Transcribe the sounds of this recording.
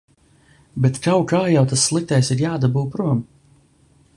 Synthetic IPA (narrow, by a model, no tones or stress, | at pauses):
bɛt̪kawkaːjawt̪asːlˠik̚t̪ɛjsiɾjaːd̪abuwpɾuɔm